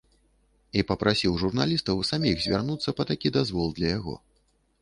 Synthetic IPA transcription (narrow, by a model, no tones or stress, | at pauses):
ipɐpɾasʲiwʐurnalʲist̪ɐwsamʲiɣzʲvʲarnut̪sːɐpɐt̪akʲid̪azvɔlˠd̪lʲɐjaɣɔ̰